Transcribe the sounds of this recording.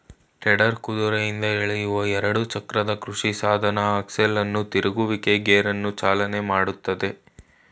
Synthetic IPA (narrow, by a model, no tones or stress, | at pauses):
ʈɛɽɐɾkud̪uɾɐjind̪ɐiɭɛjuʋɐɛɾɐɽut͡ʃɐkɾɐd̪ɐkɾuʂisaːd̪ʱɐnɐɐkselːɐnːut̪iɾɐɡuʋike̞ɡeːɾɐnːut͡ʃaːlɐne̞maːɽut̪ːɐd̪e̞